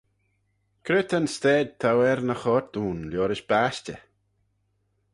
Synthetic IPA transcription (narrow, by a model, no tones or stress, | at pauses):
kʰɾɪt̪ʰənst̪ɛːd̪̚t̪ʰawɛɾnəxɔɾt̪uːnljɔːɾɪʃb̥aʃtə